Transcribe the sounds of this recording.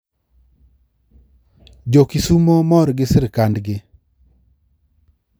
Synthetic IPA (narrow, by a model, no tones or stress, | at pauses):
d͡ʒokisumomɔɾɡɪsɪɾkandɡɪ